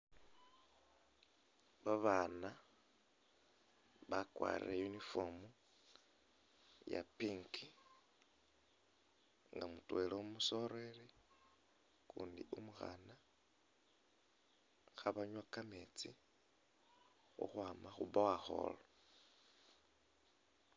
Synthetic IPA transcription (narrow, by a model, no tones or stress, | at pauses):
βaβaːna | βakwa̰ɾḭɾajunifomu | ja̰piŋkʰi | ŋɡamutweloumuso̞ɾeɾi | kuːndiʔumuxa̰na | xaβaɲwakamet͡si | ṵxwaːmaxuβawaxo̞̰lo